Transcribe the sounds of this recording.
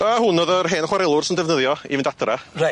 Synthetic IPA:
əhʊnːoːðərɦeːnəχwaɾɛlˠʊr̥sɪndɛvnəðjɔḭvɪndadrara

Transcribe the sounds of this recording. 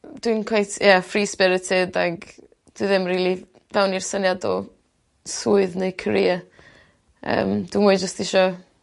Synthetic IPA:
d̥winkʰwejtʰjafriːspɛɾətʰɪdaɡ | d̥wɨðɪmriːlˠi | dawnirsənjadɔ | suɨðneɨkʰəɾiːa | ə̰ːmd̥wimʊːɨd͡ʒəstɪʃɔ

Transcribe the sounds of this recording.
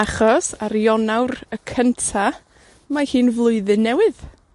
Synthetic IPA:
aχɔsaɾjɔnawɾəkʰəntʰa | mahɨːnvlˠʊɨðɨnːɛwɪð

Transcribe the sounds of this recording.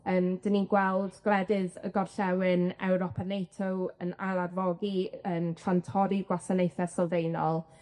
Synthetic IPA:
əmd̥əniɡwɛlˠdɡ̥ɛdɪðə̰ɡɔrɬɛwɪnɛ̰wɾɔpʰanejtʰowə̰nalˠarvɔɡiəntʰrantʰɔɾiɡwasanejθɛsɔlˠvejnɔlˠ

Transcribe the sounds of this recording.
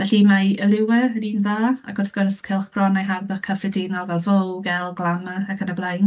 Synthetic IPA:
vɛɬimaəlˠɪwɛəniːnðaːa̰ɡ̥ʊrθɡ̥ɔrskʰɪlˠχb̥rɔnajɦarðɔχkʰːəfrɛdɪnɔlˠvɛlˠvowɡɛlˠɡlˠamaːkʰənablˠajn

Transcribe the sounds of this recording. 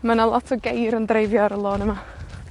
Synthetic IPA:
manalˠɔtʰɔɡejɾəndrejvjɔɾəlˠoːnəma

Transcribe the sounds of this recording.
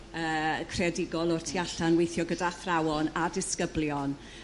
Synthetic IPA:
əːkʰrɛdɪɡɔlˠɔrtʰiaɬanwejθjɔɡədaθrawɔnadɪskəbljɔn

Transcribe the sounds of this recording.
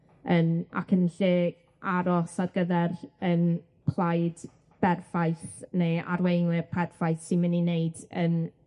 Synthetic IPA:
əna̰kʰənɬe | aɾɔsadɡəðɛrən | pʰlˠajd | b̥ɛrfajθnea̰ɾwejŋwɪrpʰɛrfajθsɪmənineɨdən

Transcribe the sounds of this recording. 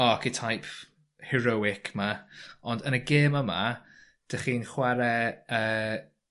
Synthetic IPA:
ɔkʰitʰajpʰ | hɛɾowɪkʰmaɔndənəɡeːməma̰ | d̥əχiːnχwaɾɛəː

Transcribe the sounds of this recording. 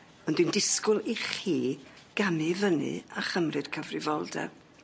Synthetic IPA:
ɔndwindɪskʊlˠiχiː | ɡ̥amɨvənɨ̰aχəmrɨd̥kʰəvrɨvɔlˠdɛ̰b̥

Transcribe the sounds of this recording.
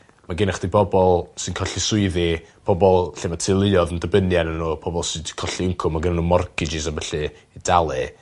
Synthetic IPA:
maɡɪnaχd̥ibʰɔbɔlˠsɨnkʰɔɬisʊɨðipʰɔbɔlˠɬematʰɨlˠɪɔðəndəbənjanənuːpʰɔbɔlˠsɨd̥kʰɔɬiəŋkʰʊmaɡənanumɔrkʰɪd͡ʒɪs̬avɛɬɨː | dalˠɨ

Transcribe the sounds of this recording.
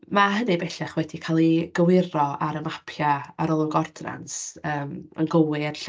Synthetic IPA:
maɦənɨbɛɬɛχwɛdikʰalˠiɡ̥əwɪrɔaɾəmapʰjaaɾɔlˠɔɡɔrdna̰nsəːmə̰nɡəwɪrɬ

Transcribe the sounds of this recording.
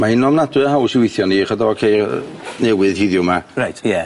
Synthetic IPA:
maɪnɔmnadwɨəɦawsɪwɪjθjɔniχədɔɔkʰejnɛwɨðhɪðjʊmarajtʰjɛ

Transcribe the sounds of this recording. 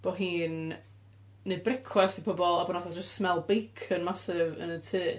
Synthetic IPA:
b̥oɦiːnː | ɨbrɪkʰwastʰipʰɔbɔlˠabɔnɔθad͡ʒəstsmɛlˠbejkʰənmasɪvə̰nətʰɨː

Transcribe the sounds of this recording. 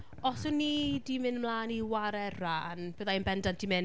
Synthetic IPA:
ɔsʊnːidimɨnmlˠaːniwaɾɛraːnb̥əðajnbɛndandʰimɛn

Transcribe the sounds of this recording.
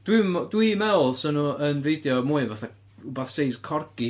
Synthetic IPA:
d̥widwimɛwlˠsənuənrejdjɔmuɨvaθa | ubaθseɨdkʰɔrɡ̥i

